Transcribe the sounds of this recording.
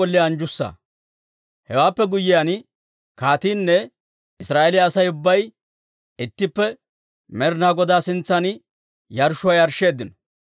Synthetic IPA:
ɔlːɪjaːnd͡ʒʊsːa̰ | hɛwaːpːɛɡʊjːɪjan | kaːt̪iːnːɛ | ɪsɾaːelɪjaːsɐjʊbːɐj | ɪt̪ːɪpːɛ | mɛɾnaːɡɔd̪aːsɪnt͡sːɐn | jɐɾʃʊwajɐɾʃːe̞ːd̪ːɪnɔ

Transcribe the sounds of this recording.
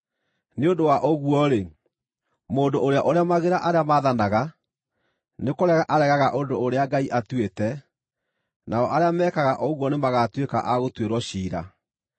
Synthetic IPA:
neondowaʔoɣuɔɾe | mondooɾeaʔoɾeamaɣeɾaʔaɾeamaðanaɣa | nekoɾɛɣaʔaɾɛɣaɣaʔondoːɾeaɡaiʔatwetɛ | naɔʔaɾeamɛːkaɣaʔɔɣwɔnemaɣatweka̰ʔaɣotweɾwɔɕiːɾa̰

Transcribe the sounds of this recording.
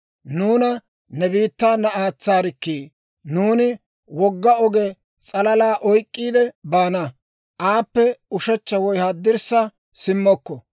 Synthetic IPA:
nuːnɐ | nɛbiːt̪ːaːnɐaːt͡sːaːɾɪkːiː | nuːnɪ | wɔɡːɐɔɡɛ | t͡sʼɐlɐlaːʔɔjkʼːiːd̪ɛbaːnɐ | ʔaːpːɛʊʃɛt͡ʃːɐwɔjhɐd̪ːɪɾsɐ | sɪmːɔkːɔ

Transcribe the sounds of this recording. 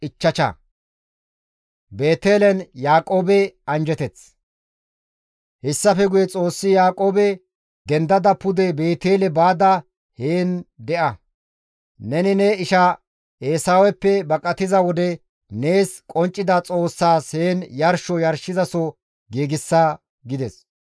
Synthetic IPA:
ɪt͡ʃːɐt͡ʃɐ̰ | beːt̪eːlɛnjaːkʼo̞ːbɛɐnd͡ʒɛt̪ɛt͡s | hɛsːɐfɛɡʊjɛt͡sʼo̞ːsːɪjaːkʼo̞ːbɛ | d̪ɛnd̪ɐd̪ɐpʊd̪ɛbe̞ːt̪eːlɛbaːd̪ɐ | heːnd̪ɛʔɐ | nɛnɪneːɪʃɐ | eːsaːwɛpːɛbɐkʼɐt̪ɪzɐwɔd̪ɛ | neːskʼɔnt͡ʃʼːɪd̪ɐt͡sʼo̞ːsːaːshe̞ːnjɐɾʃɔjɐɾʃɪzɐsɔ | ɡeːɡɪsːaː | ɡɪd̪ɛs

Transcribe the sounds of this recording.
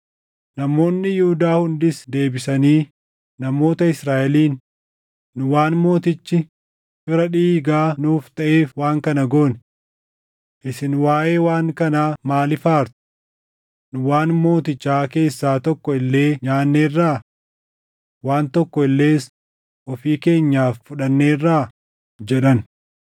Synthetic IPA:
nɐmo̞ːnːɪjʊhʊd̪aːhʊnd̪ɪsd̪e̞ːbɪsɐniː | ɐmo̞ːt̪ɐɪsɾaːʔɛliːnː | ʊwaːnmo̞ːt̪ɪt͡ʃːɪ | fɪɾɐᶑiːɡaːnuːft̪ɐʔe̞ːfwaːŋkɐnɐɡoːn | ʔɪsɪnwaːʔe̞ːwaːŋkɐnaːmaːlɪfaːɾt̪ʊ̥ | nʊwaːnmo̞ːt̪ɪt͡ʃːaːke̞ːsːaːt̪ɔkːɔɪlːe̞ːɲaːnːeːrːaː | waːnt̪ɔkːɔɪlːe̞ːs | ʔɔfiːke̞ːɲːaːffʊᶑɐnːe̞ːrːaː | d͡ʒɛᶑɐn

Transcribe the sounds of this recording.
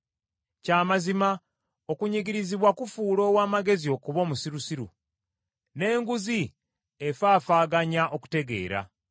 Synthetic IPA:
caːmazima | o̞kuɲiɡiɾiziβwakufuːlo̞ːwaːmaɡe̞zio̞kuβo̞ːmusiɾusiɾṵ | ne̞ːŋɡuzi | efaːfaːɡaɲaʔo̞ku̥te̞ɡe̞̰ːɾa̰

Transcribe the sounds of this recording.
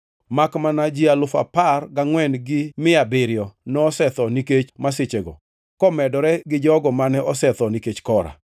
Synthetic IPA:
makmanad͡ʒialʊfa̰parɡaŋwɛnɡɪmɪabɪɾjɔnɔːsɛt̪ɔniket͡ʃmaset͡ʃeɡɔ̰ | kɔmɛdɔɾɛɡɪd͡ʒɔɡɔmanɛʔɔsɛt̪ɔniket͡ʃkɔɾa̰

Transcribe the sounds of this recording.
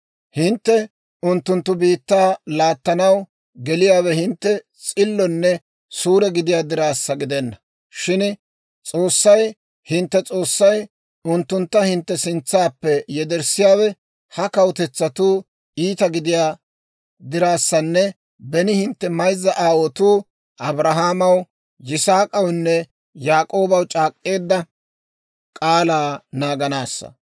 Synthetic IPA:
hɪnt̪ːɛ | ʊnt̪ːʊnt̪ːʊbiːt̪ːaːlaːt̪ːɐnɐw | ɡɛlɪjaːwɛhɪnt̪ːɛ | t͡sʼɪlːɔnːɛ | suːɾɛɡɪd̪ɪjaːd̪ɪɾaːsːɐɡɪd̪ɛnːɐ̥ | ʃɪn | t͡sʼo̞ːsːɐj | hɪnt̪ːɛt͡sʼo̞ːsːɐj | ʊnt̪ːʊnt̪ːɐhɪnt̪ːɛsɪnt͡sːaːpːɛjɛd̪ɛɾsɪjaːwɛ | hɐkɐwt̪ɛt͡sːɐt̪uː | iːt̪ɐɡɪd̪ɪjaː | d̪ɪɾaːsːɐnːɛ | bɛnɪhɪnt̪ːɛmɐjzːɐʔaːwɔt̪uː | ʔɐbɾɐɦaːmɐw | jɪsaːkʼɐwnːɛ | jaːkʼo̞ːbɐwt͡ʃʼaːkʼːe̞ːd̪ːɐ | kʼaːlaːnaːɡɐnaːsːɐ̰

